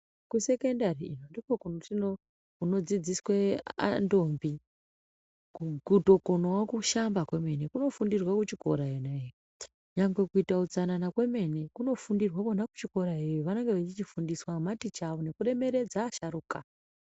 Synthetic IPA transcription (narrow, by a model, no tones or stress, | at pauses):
kuse̞kendariinondikokunotino | kuno̞d͡zid͡ziswea̰ndo̞mbi | kuɡuto̞konowakuʃambakwe̞me̞nekuno̞fundirwakut͡ʃiko̞̰ɾaenaejo | ɲaŋɡwe̞kuitaud͡zananakwe̞me̞ne̞kuno̞fundirwakonaku̥t͡ʃiko̞ɾaejoʋano̞ŋɡeʋat͡ʃit͡ʃifundiswamatit͡ʃaʋo̞ne̞kure̞me̞ɾe̞d͡zaːʃaɾuːka